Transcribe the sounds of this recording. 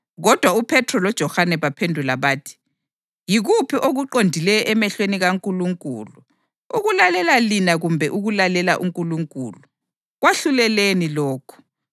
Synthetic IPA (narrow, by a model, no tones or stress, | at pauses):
ɣɔd̥ʱwaupʰɛtʰrɔlɔd̥ʒ̥ʱɔhanɛβapʰendʱulaβaːtʰi̥ | jiɣupʰiʔoɣuǃondʱilɛjʔɛmɛɬweniɣaŋkʼuluŋkʼṵːlu | uɣulalɛlalinaɣumbʱɛʔuɣulalɛlaʔuŋkʼuluŋkʼṵːlu | ɣwaɬulɛlenilɔːkʰɔ̥